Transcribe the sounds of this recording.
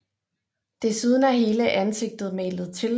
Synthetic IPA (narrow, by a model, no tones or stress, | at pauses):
d̥e̝suð̞ˠn̩æhe̝ːləʔænse̝ɡ̥̚d̥ð̩ˠmɛ̰ːlð̩ˠt͡sʰe̝l